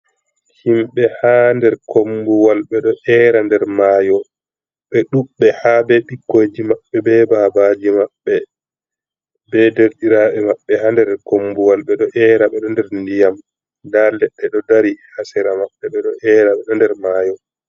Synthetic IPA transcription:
himɓɛhandɛɾkʰombuwalɓɛɗɔʔɛːɾandɛɾmaːjɔ | ɓɛɗuɓːɛhabɛɓiɡːoːd͡ʒimaɓːɛbɛbabad͡ʒimaɓːɛ | bɛdeɾɗiɾaɓɛmaɓːɛhandɛɾkombuwalɓɛɗɔʔɛːɾaɓɛɗɔndɛɾndijam | dalɛɗːɛɗɔdaɾihasɛɾamaɓːɛɓɛɗɔʔɛːɾaɓɛɗɔndɛɾmaːjɔ

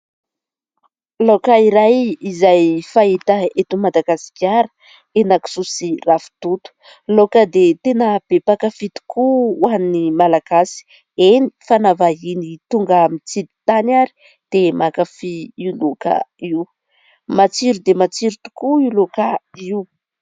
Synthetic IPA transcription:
lokaiɾajizajfaɦit̪əet̪umad̪aɡasi̥kʲaɾə̥ | enaki̥susirafu̥t̪ut̪u̥ | lokəd̪et̪enəb̥epakafit̪u̥kuwanimalaɡasi̥ | eni̥fanavaɦinit̪uŋɡamit͡sid̪it̪anaɾi̥ | d̪̥emakafiiuloka̰iw | mat͡siɾud̪emat͡siɾut̪u̥kuilokaiw

